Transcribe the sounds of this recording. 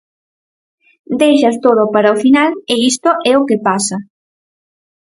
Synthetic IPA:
d̪ejʃɐst̪oðopaɾaofinalɪist̪oʔɛokepasɐ

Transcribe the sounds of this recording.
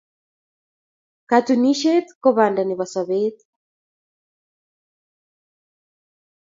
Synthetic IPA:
kat̪uniʃet̪kɔβandaniβasaβet̪

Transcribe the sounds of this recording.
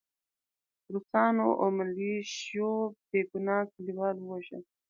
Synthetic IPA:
ɾusɑːnoʔomaliʃjob̪eɡunɑkliwɑːlwaʒa̰

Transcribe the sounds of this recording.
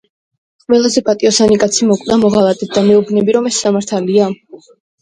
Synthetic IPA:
qʼvɛlˠazɛpʼat̪ʼiɔsanikʼat̪sʰimɔkʼvd̪amɔʁalˠat̪ʼɛt̪̚d̪̥amɛubnɛbiɾɔmɛsːamaɾt̪ʰalia

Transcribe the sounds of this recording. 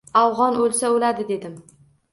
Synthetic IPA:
awʁɒnolˠsaolad̪ɪd̪e̞d̪ɪm

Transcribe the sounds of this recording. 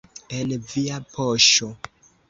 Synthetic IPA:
enviapʰoʃo

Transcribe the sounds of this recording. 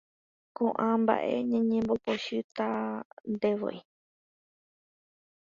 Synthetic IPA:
kõʔãmba̰ʔe̞̰ɲãɲẽmbo̞poʃɨt̪and̪eʋo̰j

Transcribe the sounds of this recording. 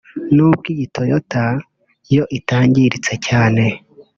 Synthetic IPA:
nub̚ɡiɟitʰojota | jo̞ʔitaːɲɟiɾit͡se̞caːne̞

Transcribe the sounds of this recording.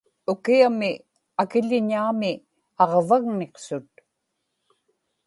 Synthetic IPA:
ʊkiamɪ | akɪʎɪɲaːmɪ | ɑʁvaɣneqsʊt̪̚

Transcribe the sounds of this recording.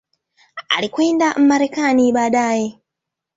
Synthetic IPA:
a̰likweːndam̩maɾekaːniɓaːɗaːje

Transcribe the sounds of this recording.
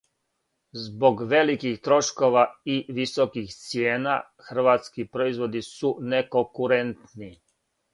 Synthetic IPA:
zboɡʋelikixt̪ɾoʃkoʋaiʋisokixt̪sjeːna̰ | xr̩ʋaːt̪skipɾoizʋod̪isunekokuɾent̪ni

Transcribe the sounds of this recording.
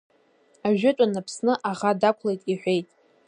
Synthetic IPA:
aʒᶣʊt͡ʃʷʼanapʰsnɨʔaʁadakʷʰlejtʼiħʷᶣejtʼ

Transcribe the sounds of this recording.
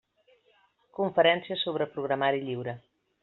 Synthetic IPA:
kuɱfəɾɛnsjɐsoβɾəpɾuɣɾamaɾiʎiwɾɐ

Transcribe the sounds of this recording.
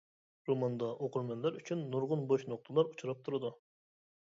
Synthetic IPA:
ɾomɑnd̪ɑʔoqʰuɾmɛnlæɾyt͡ʃʰynːuɾʁʊnboʃnoq̚t̪ʰəlˠɑɾut͡ʃʰuɾɑp̚t̪ʰuɾɨd̪u

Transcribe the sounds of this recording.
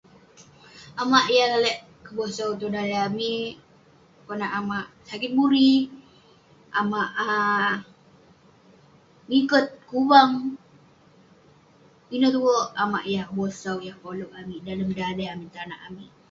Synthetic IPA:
amaʔjalalɛʔ | kəbosawt̪̬odajami | konaʔamaʔsakɪt̪̚buɾi | amaʔ | ŋikət̪̚kuwaŋ | inot̪uwoʔama̰ʔjakəbosawjahkoloʔamidaləmdadaamit̪anaʔami

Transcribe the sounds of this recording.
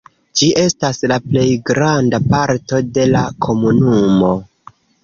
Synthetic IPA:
d͡ʒiʔe̞staslaple̞jɡɾandapaɾto̞de̞lakʰo̞munumo̞

